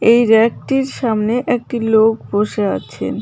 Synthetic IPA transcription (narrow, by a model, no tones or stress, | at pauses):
ejɾɛk̚ʈiɾʃamneʔek̚ʈilokboʃea̰t͡ɕʰḛn